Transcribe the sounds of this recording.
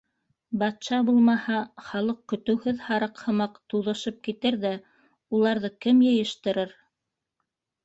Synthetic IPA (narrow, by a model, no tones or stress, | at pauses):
bɑt̪ʃɑbulˠmɑhɑχɑlˠɤq̚kːɵ̆t̪ɵ̆whɘðhɑɾɤqhɤ̆mɑqt̪uðɤ̆ʃɤp̚kit̪ɘɾðæ | ulˠɑɾðɤkɘmjɤ̆jɘ̆ʃt̪ɤ̆ɾɤɾ